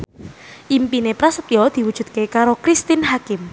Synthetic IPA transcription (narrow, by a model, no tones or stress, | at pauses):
ʔimpinepɾasəp̪iɔd̪̥i̤wud̥ʒ̥ṳt̪̚kekaɾokɾist̪ɪnɦakɪm